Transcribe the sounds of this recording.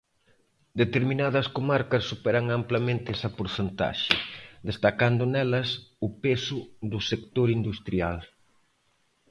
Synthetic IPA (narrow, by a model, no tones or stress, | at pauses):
d̪et̪eɾminaðɐskomaɾkɐsːupɛɾɐŋamplɐmẽnt̪ɪɛsɐpoɾθent̪a̰ʃɪ̰d̪est̪akand̪ʊnɛlɐsʊpesʊðʊsekt̪oɾind̪ust̪ɾial